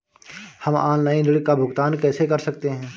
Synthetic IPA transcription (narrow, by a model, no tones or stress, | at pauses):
hɐma̰ːlnaːinɪɽɪkːabʱʊɡt̪aːnkɛːsekɐɾsɐkt̪eɦɛ̃ː